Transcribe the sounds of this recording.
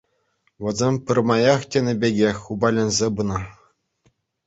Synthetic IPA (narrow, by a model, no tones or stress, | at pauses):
ʋʲɘ̆zʲemʲpʲɘ̆rmɑjɑχtʲenʲɘ̆bʲeɡʲexʲubɑlʲɘ̆nʲzʲebɯnɤ